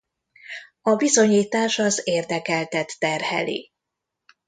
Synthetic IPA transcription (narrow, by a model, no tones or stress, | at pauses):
ɒbizo̞ɲiːt̪aːʃɒzeːrd̪ɛkɛlt̪ɛt̪ːɛrhɛ̰lḭ